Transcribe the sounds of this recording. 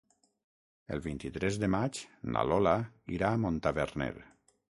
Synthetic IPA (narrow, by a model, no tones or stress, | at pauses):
ə̰lˠβint̪it̪ɾɛzd̪əmat͡ʃna̰lɔlaiɾaːmont̪aβeɾnɛ̰ɾ